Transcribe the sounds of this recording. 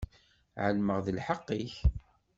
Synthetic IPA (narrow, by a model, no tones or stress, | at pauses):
ʕəlməʁðəlħɑqːiç